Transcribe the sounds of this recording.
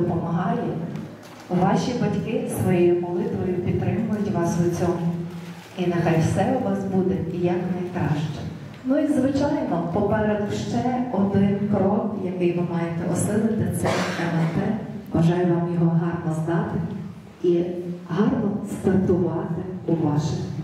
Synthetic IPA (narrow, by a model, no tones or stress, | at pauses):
ɔpɔmɐɦɑji | ʋɑʃʲibɐtʲkɪsʋɔjɛjʊmɔlˠɪt̪ʋɔjʊpʲid̪t̪ːɾɪmʊjʊtʲʋɑsʊt͡sʲɔmʊ | inɐxɑjwsɛʊʋɑsbud̪ɛijɐknɐjkɾɑʃt͡ʃɔ̥ | nuizʋɪt͡ʃɑjnɔpɔpɛɾɛd̪ʃt͡ʃɛɔd̪ɪnkɾɔkjɐkɪjʋɪmɑjet̪ɛʔɔsɪlˠɪt̪ɪt̪sɛ̰jɐʋɛnp̪ɛbɐʒɑjɛʋɑmjɔɦɔɦɑrnɔznɑt̪ɪ | iɦɑrnɔst̪ɐrt̪ʊʋɑt̪ɪʊʋɑʃɪx